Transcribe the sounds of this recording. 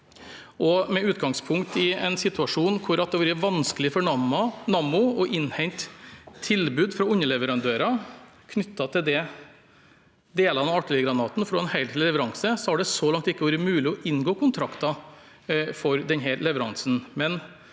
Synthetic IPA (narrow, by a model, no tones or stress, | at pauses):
ʔɔmɛʉːt̪ɡɑŋspʰʊŋkt̪ɪɛnsɪt̪ʉɑʂuːnkʰʊɾɑt̪̚d̪ɛʋɑːɾəʋɑnsklɪfɔɳɑmɑnɑmʊɔʔɪnhɛɲt̪ʰːɪlbʉːd̪fɾɑʊɲːəlɛʋəɾɑnd̪øːɾɑ | kʰnʏt̪ːɑt̪ʰɪld̪ɛ | d̪eːlɑnɑɑʈːɪləɡɾɑnɑːt̪n̩fɾɔɛnhæɪt̪ʰɪllɛʋəɾɑŋsəsɔæɖɛsɔlɑŋt̪ɪkːəʋɑːɾəmʉːlɪɔʔɪnːɡoːkʰʊnt̪ʰɾɑkt̪ɑ | fɔɾd̪ɛnɦæːɾlɛʋəɾɑŋsn̩mɛn